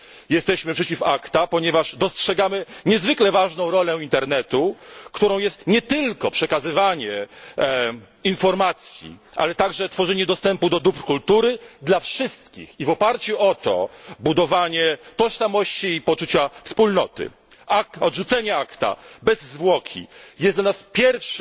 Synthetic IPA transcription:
jɛst̪ɛɕmɘpʂɛt͡ɕifakt̪apɔɲɛvaʐd̪ɔstʂɛɡamɘɲɛzvɘklɛvaʐnɔ̃w̃ɾɔlɛint̪ɛɾnɛt̪ukt̪uɾɔ̃w̃jɛst̪ɲɛt̪ɘlkɔpʂɛkazɘvaɲɛ | infɔɾmat̪sʲjḭʔa̰lɛt̪aɡʐɛt̪fɔʐɛɲɛd̪ɔst̪ɛmpud̪ɔd̪uprkult̪uɾɘd̪lafʂɘst̪kʲḭxivɔpaɾt͡ɕuʔɔt̪ɔ̰bud̪ɔvaɲɛt̪ɔʂsamɔɕt͡ɕiːpɔt͡ʂut͡ɕafspulnɔt̪ɘ̰ | aɔd̪ʐut̪sɛɲɛakt̪a̰bɛzːvwɔkʲʰḭjɛsd̪lanaspʲjɛɾfʂ

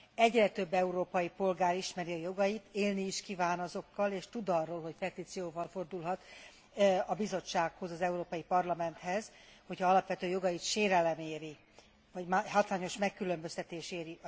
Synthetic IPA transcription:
ɛɟrɛt̪ø̞bːɛuɾoːpɒjipo̞lɡaːɾiʃmɛɾiɒjo̞ɡɒjit̪eːlniːʃkivaːnɒzo̞kːɒleːʃt̪ud̪ɒrːoːlɦo̞cpɛt̪iːt̪sijoːvɒlfo̞rd̪ulɦɒt̪ | ɒbizo̞t͡ʃːaːkho̞zɒzɛuɾoːpɒjipɒrlɒmɛnt̪hɛzho̞chɒɒlɒpvʋɛt̪øːjo̞ɡɒjit̪ʃeːɾɛlɛmeːɾi | vɒɟmaɦɒt̪laːɲo̞ʃmɛkːylø̞mbøst̪ɛt̪eːʃeːɾi

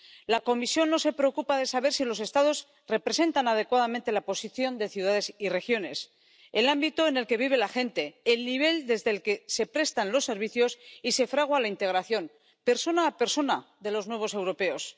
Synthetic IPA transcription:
lako̞misjo̞nːo̞se̞pɾeokupaðe̞saβ̞e̞ɾsilo̞se̞st̪aðo̞z | re̞pɾe̞se̞nt̪anað̞e̞kwaðamẽnt̪e̞lapo̞siθjo̞nd̪e̞θjuðaðe̞sire̞xjo̞ne̞s | elambit̪oene̞lke̞β̞iβ̞e̞laxe̞nt̪e̞ːlniβ̞e̞ld̪e̞zðelke̞se̞pɾe̞st̪anlo̞sːe̞ɾβ̞iθjo̞sise̞fɾaɣ̞walaint̪e̞ɣɾaθjo̞n | pe̞ɾso̞naːpe̞ɾso̞naðe̞lo̞znwe̞β̞o̞se̞wɾo̞pe̞o̞s

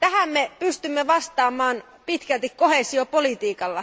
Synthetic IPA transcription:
t̪æhæmːepyst̪ymːeʋɑst̪ɑːmɑːn | pit̪kælt̪ikko̞hesiopolit̪iːkɑlːɑ

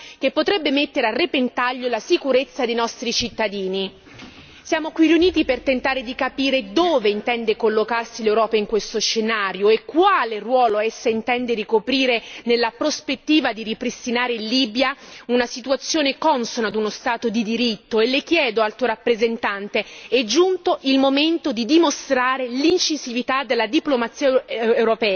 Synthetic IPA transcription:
k̟epːot̪ɾɛbːemet̪ːeɾearːepent̪aʎːolasikuɾet̪sːad̪ejnɔst̪ɾit͡ʃit̪ːad̪iːni | sjaːmokwiriuniːt̪ipert̪ent̪aːɾed̪ikapiːɾed̪oːveint̪ɛnd̪ekolːokarsilewɾɔːpaiŋkwest̪oʃːenaːɾjoekːwaːlerwɔːloɛsːaint̪ɛnd̪eɾikopɾiːɾenelːapɾospet̪ːiːvad̪iripɾist̪inaːɾeliːbjaunasit̪uat̪sːjoːnekɔnsonad̪unost̪aːt̪od̪id̪iɾit̪ːoelːek̟jɛːd̪oalt̪oɾapːɾezent̪ant̪eɛd͡ʒːunt̪oʔilmoment̪od̪id̪imost̪ɾaːɾelint͡ʃizivit̪ad̪elːad̪iplomat̪sːiːaewɾopɛːa

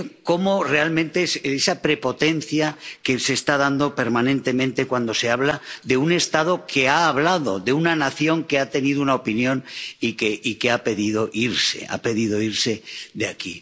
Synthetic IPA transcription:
ko̞mo̞re̞almẽ̞nt̪e̞sesapɾe̞po̞t̪e̞n̟θjake̞se̞ːst̪að̞and̪o̞pe̞ɾmanẽnt̪emẽnt̪e̞kwand̪o̞se̞aβ̞laðe̞une̞st̪að̞o̞kʰe̞aːβ̞laðo̞ðeunanaθjo̞ŋke̞at̪e̞niðounaopinjõ̞nikeike̞ape̞ðið̞o̞ʔiɾse̞̰a̰pe̞ðið̞o̞iɾse̞ðe̞aki

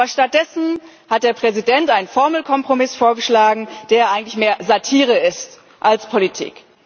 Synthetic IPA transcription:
ɐʃtat̚d̥ɛsn̩ | hat̚d̥eːɐpʁ̥ɛzidɛntaɪnnfɔɐml̩kʰɔmpʁ̥omɪsfoːɐɡəʃlaːɡŋ̩d̥eːɐʔaɪɡŋ̩tlɪçmeːɐzatʰiːʁ̞əɪst | ʔalspʰolitʰḭːk

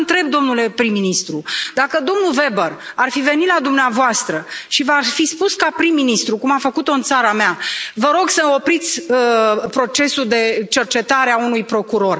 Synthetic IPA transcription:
nt̪ɾe̞b̚d̪o̞mnule̞pɾimːinist̪ɾud̪akəd̪o̞mnuve̞bərarfive̞nit̪lad̪umneavoast̪ɾəʃivafispuskapɾimːinist̪ɾukumafəkut̪o̞ɨnt̪saɾameavəɾo̞ɡsəo̞pɾit̪sʲəpɾo̞t͡ʃe̞suld̪e̞t͡ʃe̞rt͡ʃe̞t̪aɾeaunujpɾo̞kuɾo̞r

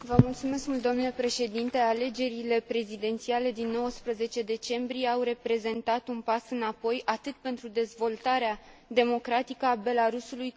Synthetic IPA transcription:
vəmult̪sume̞skmult̪oomnlepɾe̞ʃe̞d̪int̪e̞ale̞d͡ʒe̞ɾile̞pɾe̞zid̪e̞nt̪siale̞d̪inːo̞wəspɾəze̞t͡ʃe̞d̪e̞t͡ʃe̞mbɾijeawre̞pɾe̞ze̞nt̪at̪unpasɨnapo̞jʔat̪ɨt̪̚pe̞nt̪ɾud̪e̞zvo̞lt̪aɾead̪e̞mo̞kɾat̪ikəabe̞laɾusuluj

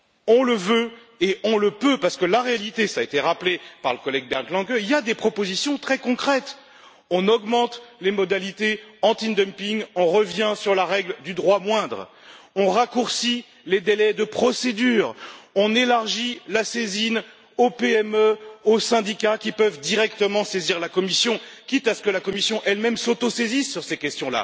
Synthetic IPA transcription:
ɔ̃ləvø | eɔ̃ləpøpaʁsə̥kəlaʁealit̪esaːet̪eʁaplepaʁləkɔlɛɡ̚bɛʁnklɑ̃ɡøiljad̪epχɔpozisjɔ̃t̪χɛkɔ̃kχɛt̪ | ɔ̃nɔɡmɑ̃t̪lemɔd̪alit̪eɑ̃t̪ind̪əmpiŋɔ̃ʁəvjɛ̃syʁlaʁɛɡld̪yd̪ʁwamwɛ̃d̪ʁ | ɔ̃ʁakuʁsi | led̪elɛd̪əpχɔsed̪yːʁɔ̃nelaʁʒilasezin | opeɛmøosɛ̃d̪ikʲakʲipœvd̪iʁɛkt̪əmɑ̃seziʁlakɔmisjɔ̃kʲit̪asə̥kəlakɔmisjɔ̃ʔɛlmɛmsot̪osezisːyʁsekʲɛst̪jɔ̃la̰

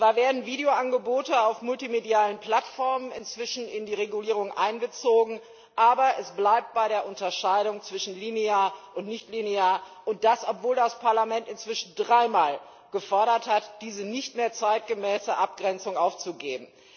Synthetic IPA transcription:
v̥aːɐveːɐdn̩viːdeoʔanɡəboːtəaʊfmʊltimediaːlənpl̥atfɔɐmənɪnt͡sv̥ɪʃn̩ɪndiːʁeɡuliːʁ̞ʊŋʔa̰ɪnbət͡soːɡŋ̩ | ʔaːbɐʔɛsb̥laɪp̚t̚b̥aɪɾeːɐʔʊntɐʃaɪɾʊŋt͡sv̥ɪʃn̩lineaːɐʔʊntnɪçtlineaːɐ | ʔʊnt̚d̥asʔɔpv̥oːldaspʰaɐlamɛntɪnt͡sv̥ɪʃn̩dʁaɪmaːl | ɡ̥əfɔɐɾɐthatd̥iːzənɪçtmeːɐt͡saɪt̚ɡ̥əmɛːsəʔap̚ɡ̥ʁɛnt͡sʊŋʔaʊft͡suɡḛːbm̩

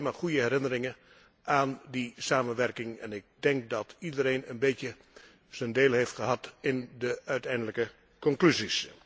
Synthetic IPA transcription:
maːχujəɛɾɪnərɪŋən | aːndisaːmənʋɛrkɪŋɛ̰nɪk̚dɛŋk̚dɑtʰidəɾeːnənbeːtjə | z̥əndeːlˠɦejftχəɦɑtɪndəœɥtɛjndələkə | kɔŋklyzis

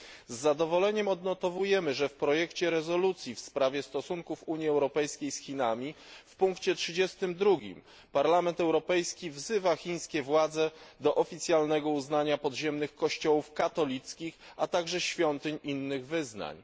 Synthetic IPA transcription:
zːad̪ɔvɔlɛɲɛmɔd̪nɔt̪ɔvujɛmɘʐɛfpɾɔjɛkt͡ɕɛɾɛzɔlut̪sʲjifspɾavʲjɛst̪ɔsuŋkufuɲjiɛwɾɔpɛjskʲejsxʲinamʲifpuŋkt͡ɕɛtʂɘd͡ʑɛst̪ɘmd̪ɾuɡʲḭm | paɾlamɛnt̪ɛwɾɔpɛjskʲivzɘvaxʲiɲ̃skʲɛvwad̪zɛd̪ɔʔɔfʲit̪sʲjalnɛɡɔuznaɲapɔd̪ʑɛmnɘxkɔɕt͡ɕɔwufkat̪ɔlʲit̪skʲixat̪aɡʐɛɕfʲjɔnt̪ɘɲʔinːɘɣvɘzna̰ɲ

